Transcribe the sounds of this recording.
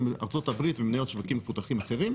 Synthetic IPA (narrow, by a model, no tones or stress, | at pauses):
maʁt͡so̞t̪abʁit̪vemnajo̞t̪ʃvakimːefut̪aχimaχeʁim